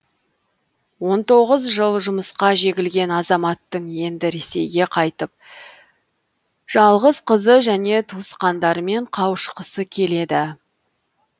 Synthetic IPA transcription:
wo̞nt̪o̞ʁəzʒəlˠʒʊməsqɑʒe̞ɡʲɪlɡʲe̞nɑzɑmɑt̪ːəɴje̞nd̪ɪɾe̞se̞̰jɡʲe̞qʰɑjt̪əp̚ | ʒ̥ɑlˠʁəzqʰəzəʒæne̞t̪ʰusqɑnd̪ɑɾəme̞ɴqʰɑwʃqəsəkʲʰe̞le̞d̪ɪ

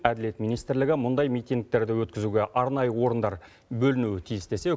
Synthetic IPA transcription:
æd̪ɪle̞t̪mijnijst̪ɪɾlɪɡʲɪmʊnd̪ɑjmijt̪iŋɡk̚t̪e̞ɾd̪ɪwɵt̪kʲɪzuɡʲe̞ʔɑɾnɑjəwo̞ɾənd̪ɑɾ | bɵlɪnuwɪt̪ʰijɪst̪e̞se̞

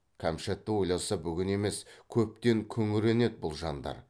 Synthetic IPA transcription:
kʲʰæmʃet̪ːɪwo̞jlˠɑsɑbʏɡʲɪne̞me̞skʲʰɵp̚t̪e̞ŋkʲʰɵŋɪɾe̞ne̞t̪̚bʊlˠʒɑnd̪ɑ̰ɾ

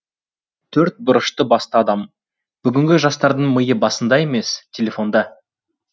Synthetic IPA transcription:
t̪ʰɵɾt̪̚bʊɾəʃt̪əbɑst̪əɑd̪ɑm | b̥ʏɡʲɪŋɡʲɪʒɑst̪ɑɾd̪əɴməjəbɑsənd̪ɑe̞me̞stʲʰelʲe̞fo̞nd̪ɑ

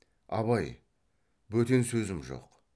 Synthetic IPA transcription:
ɑ̰βɑj | bɵt̪e̞nsɵzɪmʒo̰q

